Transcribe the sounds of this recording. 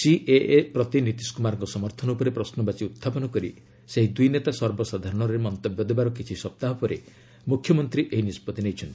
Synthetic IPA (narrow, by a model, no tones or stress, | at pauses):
siʔeʔepɾɔt̪init̪iskumaɾɔŋkɔsɔmɔɾt̪ʰɔnɔpɔɾepɾɔsnɔbat͡ʃiut̪ʰːapɔnɔkɔɾḭ | seɦid̪ujnet̪asɔɾbɔsad̪ʱaɾɔɽ̃ɔɾemɔnt̪ɔbjɔd̪ebaɾɔkit͡ʃʰisɔp̚t̪aɦɔpɔɾe | mukʰjɔmɔnt̪ɾiʔeɦinispɔt̪inejt͡ʃʰɔnt̪i